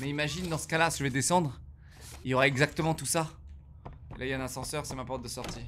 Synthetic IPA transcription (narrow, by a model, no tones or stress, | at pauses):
mɛimaʒind̪ɑ̃sə̥kalasiʒəvɛd̪esɑ̃d̪ʁ | iljɔʁaɛɡzak̚t̪əmɑ̃t̪usa | ḛlʔailɛ̃nɛ̃sɑ̃sœʁsɛmapɔʁt̪̚d̪əsɔʁt̪i